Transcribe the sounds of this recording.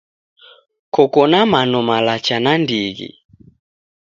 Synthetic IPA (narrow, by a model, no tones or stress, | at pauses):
kɔkɔnamanɔmalat͡ʃanandiɣḭ